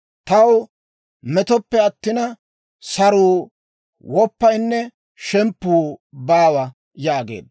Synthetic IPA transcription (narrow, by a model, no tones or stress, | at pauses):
t̪ɐw | mɛt̪ɔpːɛɐt̪ːɪnɐ | sɐɾuː | wɔpːɐjnːɛ | ʃɛmpːuːbaːwɐ | jaːɡḛːd̪